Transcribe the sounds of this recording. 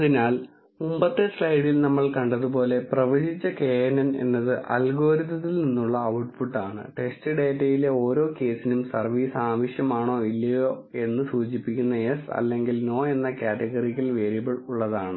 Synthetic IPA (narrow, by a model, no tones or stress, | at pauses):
ɐðinaːl | mumbɐt̪ːɨslɐjɽilnɐmːɐɭkɐɳɖɐðupo̞ːle̞prɐʋɐɕit͡ɕːɐke̞ːɐnɐne̞̰nːɐðɨʔɐ̰lɡo̞ːɾit̪ːɐt̪ːilninːuɭːɐɐwʈfuʈːaːɳɨ̰ʈe̞sʈɨɖeːʈːɐjile̞o̞ːɾo̞ːke̞ːsinumsɐrʋiːsaːʋɐɕjɐmaːɳo̞ːilːɐjo̞ːe̞nːɨsuːt͡ɕipːikʲːunːɐesɐ̰lːe̞ŋɡilno̞ːe̞nːɐkaːʈeɣɐrikːɐlʋe̞ːɾibɐɭuɭːɐðaːɳɨ